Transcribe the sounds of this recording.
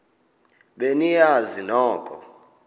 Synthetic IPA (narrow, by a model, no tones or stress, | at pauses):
ɓenijazinɔːkʼɔ